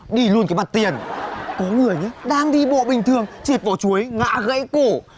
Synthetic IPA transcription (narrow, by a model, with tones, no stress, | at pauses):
ɗi˧˩lu˧ənkaː˨˦jma˨˩t̚t̪i˨˩ənkɔ˨˦ŋɨ˧˩əjɲɨ˨˦ɗaː˧ŋɗi˧ɓo̰˧˨ɓï˨˩ŋ̟t̪ʰɨ˨˩əŋt͡ɕi˨˩ət̚vaː˧˩t͡ɕu˨˦əjŋa̰ː˧˥ɣə̰˧˥jko˧˩